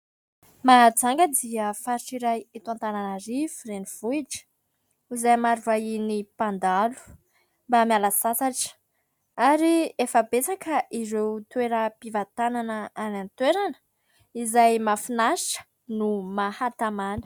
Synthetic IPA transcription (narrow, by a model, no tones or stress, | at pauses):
mad͡zaŋɡəd̪iəfaɾiʈ͡ʂiɾajit̪uant̪ananəɾivureniv̥uiʈ͡ʂə̥ | izajmaɾivainipand̪alu̥ | mbamjalasat͡saʈ͡ʂə̥ | aɾiefəbet͡sakəʔizewt̪weɾəpivat̪ananəanant̪weɾanə̥ | izajmafinaə̥ | numahat̪amanə̥